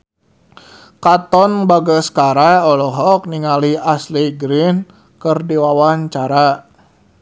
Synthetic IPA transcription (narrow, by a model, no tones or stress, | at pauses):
kat̪ɔnbaɡəskaɾaɔlɔɦɔk̚niŋaliasliɡɾin | kərdiwawaɲt͡ʃaɾa